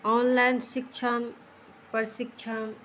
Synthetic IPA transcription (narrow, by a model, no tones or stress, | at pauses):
ɔnlajnsikt͡ʃʰan | pəɾsikt͡ʃʰan